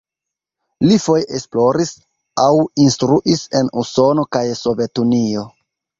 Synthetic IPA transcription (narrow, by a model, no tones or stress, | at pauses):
lifo̞jʔesplo̞ɾis | awinstɾuʔise̞nuso̞no̞kajso̞ve̞tunio̞